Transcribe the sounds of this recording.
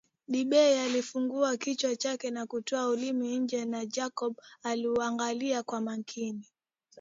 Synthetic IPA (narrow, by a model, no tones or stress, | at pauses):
ɗiɓɛialifuŋɡuakit͡ʃwat͡ʃakɛnakutɔaulimiɲ̩d͡ʒɛnad͡ʒakɔɓaliuaŋɡaliakwamaŋkʰini